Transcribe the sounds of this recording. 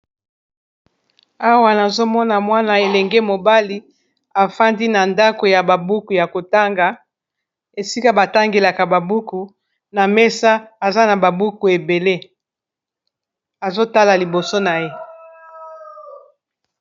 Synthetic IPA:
a˦wa˦na˨zo˦mɔ˦na˨mwa˦na˨e˨lɛ˨ŋɡe˦mo˨ba˦li˦ | a˨fa˦ndi˦na˨nda˦ko˨ja˨ba˨bu˦ku˨ja˨ko˨ta˦ŋɡa˨ | e˨si˦ka˦ba˨ta˦ŋɡe˨la˨ka˨ba˨bu˦ku˨ | na˨mɛ˦sa˦a˨za˦na˨ba˨bu˦ku˨e˨be˨le˦ | a˨zo˦ta˦la˨li˨bo˨so˦na˨je˦

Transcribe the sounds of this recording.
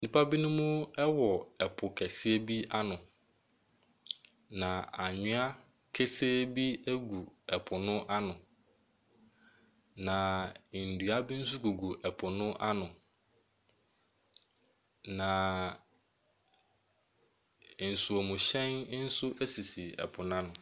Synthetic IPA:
nĩ˦˨pa˦bi˦nʊ̃˦mʊ̃˦ɛ˦wɔ˨ɛ˨pʰʊ˨kʰɛ˨sɪ˦e˦bi˦a˦nʊ̃˨ | nã˨a˨ɲʊ̃˦a˦ | kʰe˦se˦bi˦æ˦ɡu˨ɛ˨pʰʊ˨nʊ̃˦ʔa˦nʊ̃˨ | nã˨n̩˨du˨a˦bi˦n̩˦sʊ˦ɡu˨ɡu˨ʔɛ˨pʰʊ˨nʊ̃˦ʔa˦nʊ̃˨ | nã˨ | n̩˨su˨o˨mũ˨ɕɛ̃˦n˦n̩˦sʊ˦ʔæ˦si˨si˨ɛ̰˨pʰʊ˨n˦ã˦nʊ̃˨

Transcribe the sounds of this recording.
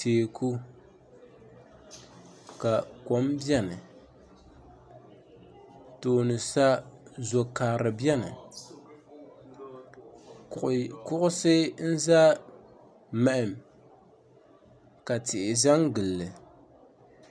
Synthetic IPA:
teː˨ku˦ | ka˨ko˨˦mbjɛ˦nɨ˨ | toː˨nɨ˨sa˦zo˨kaː˨ɾɨ˨bjɛ˦nɨ̰˨ | kʊ˦ʔʊ˦sɨ˦n̩˦za˦ | mɛ˨ʔɪ˨m | ka˨tɪ˨ʔɪ˨za˦ŋɡɨ˨lːɨ˨

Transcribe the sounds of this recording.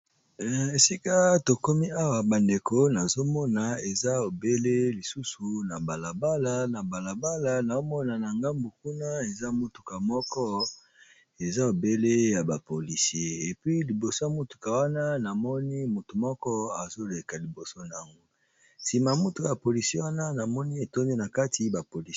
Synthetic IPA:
e˨si˦ka˦to˨ko˦mi˦a˦wa˨ba˨nde˨ko˦na˨zo˦mɔ˦na˨e˨za˦o˨be˦le˦li˨su˦su˨na˨ba˨la˨ba˦la˨na˨ba˨la˨ba˦la˨na˨o˦mɔ˦na˨na˨ŋɡa˦mbu˨ku˦na˦e˨za˦mo˦tu̥˨ka˨mɔ˦kɔ˦ | e˨za˦o˨be˦le˦ja˨ba˨po˨li˨si˨˦e˦e˨pɥi˦li˨bo˨so˦ja˨mo˦tu̥˨ka˨wa˦na˦na˨mɔ˦ni˦mu˨tu˨mɔ˦kɔ˦a˨zo˦le˨ka˨li˨bo˨so˦na˨ŋɡo˦ | si˨ma˨mo˦tu˨ka˨a˨po˨li˨si˦e˦wa˦na˦na˨mɔ˦ni˦e˨to˦me˦na˨ka˦tʰi˦ba˨po˨li˨

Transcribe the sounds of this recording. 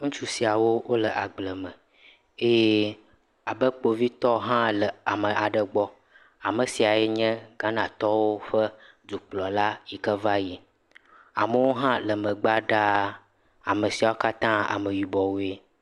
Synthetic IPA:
ŋũ˦t͡ʃu˦si˨a˨wo˦wʔo˦lə˨ʔa˨ɡ͡blə˨mə˨ | e˦je˦ | a˨bə˦k͡po˦vi˦t̪ɔ˦ɦã˦lə˨a˨mə˨ʔa˨ɖə˨ɡ͡bɔ˦ | a˨mə˨si˨a˨jɛ˦ɲɛ̃˦ɡa˦nã˨t̪ɔ˦wo˦ɸə˦ | d̪u˨k͡plɔ˨la˦ji˨kə˦va˦ji˨ | a˨mə˨˦wo˦ɦã˦lə˨mə̃˨ɡ͡ba˦ɖa˦ | a̰˨mə˨si˨a˨wo˦ka˦t̪ã˦a̰˨mə˨ɥi˨bɔ˨wo˨e˦

